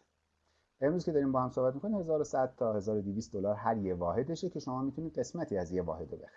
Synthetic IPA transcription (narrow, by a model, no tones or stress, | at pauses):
ʔe̞mɾuzcʰe̞d̪ɒːɾiːmbɒːhæmsohbæt̪mikoniːmhe̞zɒːɾosæd̪̥̚t̪ʰɒːhe̞zɒːɾod̪iviːst̪d̪o̞lɒːɾɦæɾjevɒːɦe̞d̪eʃecʰe̞ʃo̞mɒːmiːt̪ʰuniːd̪ɢe̞smæt̪ʰiːæzjevɒ̰ːhe̞d̪ebexæ̥ɾi